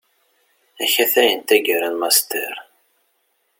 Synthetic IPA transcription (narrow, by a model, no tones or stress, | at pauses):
æçæθæjənt̪æɡəɾænmɑst̪ɛ̰ɾ